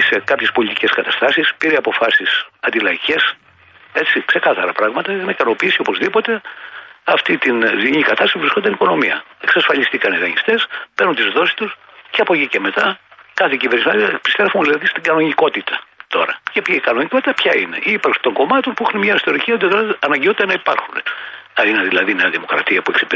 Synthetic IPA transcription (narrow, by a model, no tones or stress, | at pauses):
ise̞kɐpçe̞spo̞lit̪iceskɐt̪ɐst̪ɐsispiɾeɐpo̞fɐsisɐnd̪ilɐiʝe̞s | e̞t͡sikse̞kɐθɐɾɐpɾɐɣmɐt̪ɐixɐnɐikɐno̞piisio̞po̞zðipo̞t̪eɐft̪it̪inziɲikɐt̪ɐst̪sipuvɾiskond̪ɐniko̞no̞miɐ̰e̞ksɐsfɐʎist̪ikɐniɣɐɲist̪e̞speɾnunt̪izðo̞si̥st̪us | ceɐpo̞cice̞me̞t̪ɐkɐθeciveɾnismɐnpist̪evunðilɐðist̪iŋɡɐno̞ɲiko̞t̪it̪ɐt̪o̞ɾɐcepiikɐno̞ɲiko̞t̪i̥t̪ɐpçɐine̞̰ʔipɐɾksi̥t̪o̞ŋɡo̞mɐt̪o̞npuixunemɲɐist̪o̞ɾiciɐot̪̬iðolet̪ɐnɐɲɟeo̞t̪it̪ɐnɐipɐɾxuneɐineðilɐðineɐðimo̞kɾɐ̰t̪iɐpueksi̥p